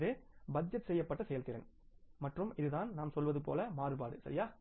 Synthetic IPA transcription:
ðeːbɐd͡ʒɐʈsɛjːɐpːɐʈːɐsɛjɐlt̪ɪɾɐ̰n | mɐʈrɯmɪðɯðaːnnaːmsɔlʋɐðɯpo̰ːlɐmaːɾɯpaːɽɯsɐɾɪjaː

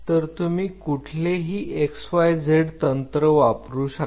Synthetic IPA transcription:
t̪əɾt̪umiːkuʈʰleɦiːʔeksfajd͡zeɽt̪ənt̪ɾəʋapɾuːɕa

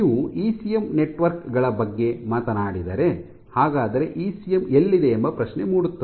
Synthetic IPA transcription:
iːʋuiːsijemne̞ʈʋɐɾkɡɐɭɐbɐɡːe̞maːt̪ɐnaːɽid̪ɐɾe̞ | haːɡaːd̪ɐɾe̞ʔiːsijemelːid̪e̞ːmbɐpɾɐʃne̞muːɽut̪ːu

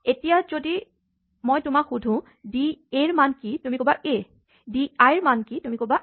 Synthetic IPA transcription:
etijazodi | mojtʊmakxudʱũ | dieɹmankitumikobaʔe | diajɹmankitumikoba

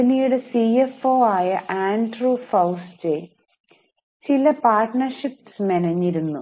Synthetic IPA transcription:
ɐnijuɽe̞siefo̞ːaːjɐʔaːɳɖrufɐwste | t͡ɕilɐpaːrʈɳɐrʂipːsmenɐɲːiɾunːu

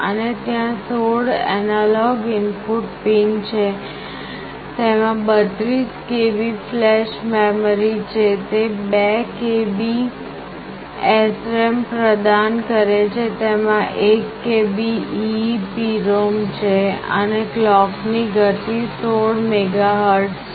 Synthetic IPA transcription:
ə̰net̪jãsoɽɛ̰nalɔɡɪnpuʈpint͡ʃʰe | t̪emãbət̪ɾiskebiflɛʃmemɾit͡ʃʰet̪ebekebi | ɛsɾempɾəd̪ankəɾet͡ʃʰet̪emãʔekːebiː | piɾomt͡ʃʰeə̰neklɔkniɡət̪isoɽmeɡaɦəɾʈs

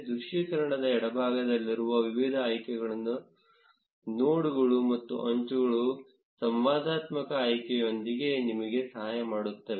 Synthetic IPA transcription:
d̪uʃikɐɾɐɳɐd̪ɐɛɽɐbʱaːɡɐd̪ɐlːiɾuʋɐʋiʋid̪ʱɐːjkɛɡɐɭɐnːu | noːɽuɡɐɭumɐt̪ːṵʔɐɲt͡ʃuɡɐɭu | sɐmʋaːd̪aːt̪mɐkɐːjkɛjo̞nd̪iɡe̞nimɐɡe̞sɐɦaːjɐmaːɽut̪ːɐʋe

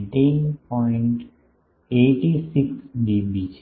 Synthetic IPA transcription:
ʈĩnpɔɪ̃ɳʈ | eːʈisɪksɖibit͡ʃ

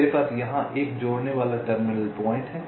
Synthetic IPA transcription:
ɾepaːsjɐɦãʔeːkd͡ʒoːɽneʋaːlaʈəɾmɪnəlpɔːɪ̃ɳʈɦɛː

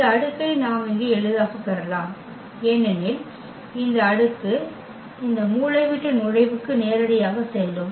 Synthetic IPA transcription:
ɪɐɐɽɯk̪ːɐɪnaːmɪŋɡeɛɻɯðaːɣɐpːɛɾɐlaːm | ɛnːɛnɪl | ɪnd̪ɐːɽɯt̪ːɯ | ɪnd̪ɐmuːlɐɪʋɪʈːɐnʊɻɐɪʋɯkːɯneːɾɐɽɐjaːɣɐsɛjlɯm

